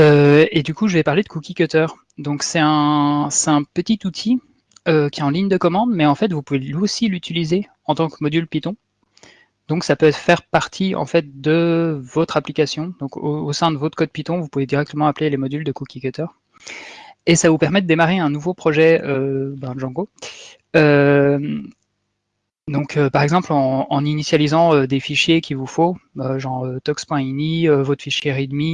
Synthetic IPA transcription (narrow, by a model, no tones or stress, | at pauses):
øed̪ykuʒəvɛpaʁled̪əkukʲikʲøt̪œːʁ | d̪ɔ̃ksɛt̪ɛ̃sɛt̪ɛ̃pət̪it̪ut̪ʰi | økʲiɛɑ̃liɲd̪əkɔmɑ̃d̪mɛɑ̃fɛt̪vupuvelɥiosilyt̪ʰilize | ɑ̃t̪ɑ̃kmɔd̪ylpit̪ɔ̃ | d̪ɔ̃ksapøɛt̪χfɛʁpaʁt̪ʰiɑ̰̃fɛt̪̚d̪əvɔt̪χaplikasjɔ̃d̪ɔ̃koosɛ̃d̪əvɔt̪χkɔd̪̚pit̪ɔ̃vupuved̪iʁɛk̚t̪əmɑ̃aplelemɔd̪yld̪əkukʲikøt̪œʁ | esavupɛʁmɛd̪əd̪emaʁeɛ̃nuvopχɔʒɛøbɛ̃ʒɑ̃ɡo | øm | d̪ɔ̃kʰøpaʁɛɡzɑ̃plɑ̃ːninisjalizɑ̃ød̪efiʃjekʲivufoøʒɑ̃ʁøt̪ɔkspwɛ̃iniøvɔt̪χfiʃjeʁid̪mi